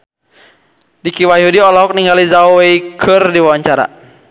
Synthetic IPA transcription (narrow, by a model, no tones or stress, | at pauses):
dikiwajaɦudiɔlɔɦɔk̚niŋɡalizaoweikʰɨrdiwawaɲt͡ʃaɾa̰